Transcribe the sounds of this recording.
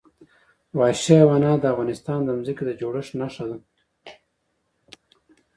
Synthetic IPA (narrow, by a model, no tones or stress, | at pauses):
wɑːʃewanɑːd̪əavɣɑnɪst̪ɑːnd̪əmziked̪əd͡ʒoɽəʂnaʂad̪u